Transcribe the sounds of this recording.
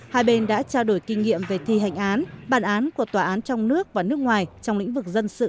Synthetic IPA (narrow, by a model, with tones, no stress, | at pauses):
haː˧jɓe˧nɗa̰ː˧˥t͡ɕaː˧wɗo˧˩jkï˧ŋ̟ŋḭ˧˨əmve˨˩t̪ʰi˧ɦa̰˧˨jŋ̟ʔaː˨˦nɓaː˨˩nʔaː˨˦nku˧˩ət̪waː˨˩ʔaː˨˦nt͡ɕɔ˧wŋ͡mnɨ˦˥ək̚vaː˨˩nɨ˦˥ək̚ŋwaː˨˩jt͡ɕɔ˧wŋ͡mlḭ̈˧˥ŋ̟vɨ˨˩k̚zə˧nsɨ̰˧˨